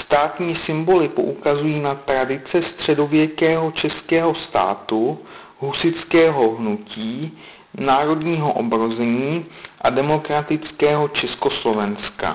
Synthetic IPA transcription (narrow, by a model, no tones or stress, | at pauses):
st̪aːt̪ɲiːsɪmbo̞lɪpo̞̰ʔukazujiːnat̪ɾadɪt͡sɛst̪r̝̥ɛdo̞vjɛkɛːɦo̞t͡ʃɛskɛːɦo̞st̪a̰ːt̪u | ɦusɪt͡skɛːɦo̞ɦnuciː | naːɾo̞dɲiːɦo̞ʔobɾo̞zɛɲiːʔadɛmo̞kɾat̪ɪt͡skɛːɦo̞t͡ʃɛsko̞slo̞vɛnska̰